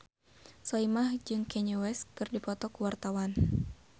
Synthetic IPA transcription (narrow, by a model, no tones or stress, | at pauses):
sɔimahd͡ʒɨŋkɛɲuwɛskɨrdipɔt̪ɔkuwart̪awan